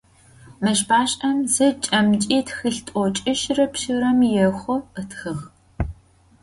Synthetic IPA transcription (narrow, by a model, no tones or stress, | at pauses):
mɐʃbaːɕʼɐmzɐt͡ʃʼɐmt͡ʃʼiːtxiɬtʼɔt͡ʃʼɪʃrɐpʃɨɾɐmjɛxʷɔətʰxɨx